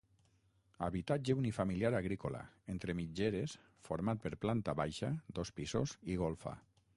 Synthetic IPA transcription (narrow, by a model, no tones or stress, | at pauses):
a̰βit̪ad͡ʒeunifamiliaɾaɣɾikola̰ent̪ɾemid͡ʒeɾes | foɾmat̪̚peɾplant̪aβajʃad̪ospisoziɣolˠfa̰